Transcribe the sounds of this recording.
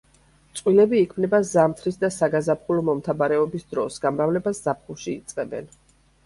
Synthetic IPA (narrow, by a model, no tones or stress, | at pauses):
t̪sʼwilɛbiːkʰmnɛbazamt̪ʰɾisd̪asaɡazapχulɔmɔmt̪ʰabaɾɛɔbisd̪ɾɔsɡamɾavlɛbaszapχuʃiːt̪sʼqʼɛbɛ̰n